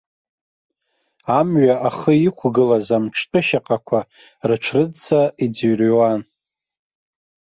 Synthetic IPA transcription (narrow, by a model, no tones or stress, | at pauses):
amɥaʔaχəikʷʰɡɨlazamʈ͡ʂʰtʼɨʃaqʼakʷʰa | rɨʈ͡ʂʰrɨdt͡sʰʼaid͡zɥrwan